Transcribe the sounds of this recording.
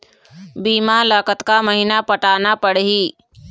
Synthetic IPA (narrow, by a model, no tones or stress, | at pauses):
biːmalaːkət̪kaməɦɪnapəʈaːnapəɽɦiː